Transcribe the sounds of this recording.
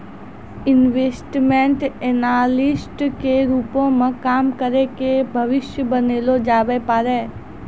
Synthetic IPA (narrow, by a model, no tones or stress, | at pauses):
ɪnʋeːsʈmẽɳʈeːnaːlɪsʈkeɾuːpõmẽkaːmkəɾekebʱɐʋɪʃjəbəneːlod͡ʒaːbepaːɾeː